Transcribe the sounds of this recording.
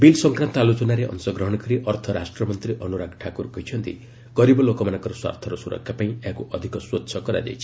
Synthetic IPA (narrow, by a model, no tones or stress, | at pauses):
bilsɔŋkɾãnt̪ɔalut͡ʃɔnaɾeʔɔ̰nsɔɡɾɔɦɔɽ̃ɔkɔɾiʔɔɾt̪ʰɔɾa̰sʈɾɔmɔnt̪ɾiʔɔnuɾaɡʈʰakuɾkɔjt͡ʃʰɔnt̪ḭ | ɡ̥ɔɾibɔlokɔmanɔ̃ŋkɔɾɔswa̰ɾt̪ʰɔɾɔsuɾɔ̰kʰːjapaĩeakuʔɔd̪ʱikɔswɔtːsʰɔkɔɾa̰d͡ʒa̰jt͡ʃʰi̥